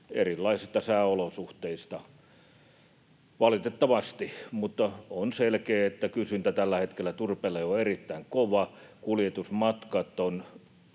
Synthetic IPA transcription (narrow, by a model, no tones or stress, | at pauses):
erilːɑisist̪ɑsæːolosuht̪eist̪ɑ | ʋɑlit̪et̪ːɑʋɑst̪imut̪ːɑonselkeːet̪ːækysynt̪æt̪ælːæhet̪kelːˑæt̪urpeleoerit̪ːæiŋkoʋɑkuljet̪usmɑt̪kɑt̪ːon